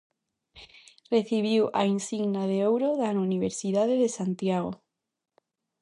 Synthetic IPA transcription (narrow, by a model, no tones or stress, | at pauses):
reθiβ̞iwainsiɣnaðeowɾoðanuniβ̞eɾsiðaðeðesant̪jaɣo